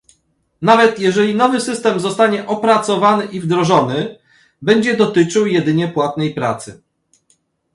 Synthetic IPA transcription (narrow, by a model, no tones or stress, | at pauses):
navɛt̪jɛʐɛlʲinɔvɘsɘst̪ɛmzɔst̪aɲɛʔɔpɾat̪sɔvanɘʔivd̪ɾɔʐɔnɘ | bɛɲd͡ʑɛd̪ɔt̪ɘt͡ʂɘwjɛd̪ɘɲɛpwat̪nɛjpɾa̰t̪sɘ